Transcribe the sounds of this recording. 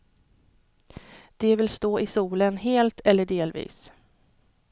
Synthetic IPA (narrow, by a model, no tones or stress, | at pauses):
d̪̥ɛvɪlst̪oːʔɪsuːlənɦeːlt̪ʰɛlːəɖeːlvḭːs